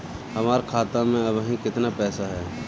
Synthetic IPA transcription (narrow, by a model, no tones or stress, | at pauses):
hɐmaːɾkʰaːt̪ãmẽɐbɦĩkɪt̪napɛːsaɦɛː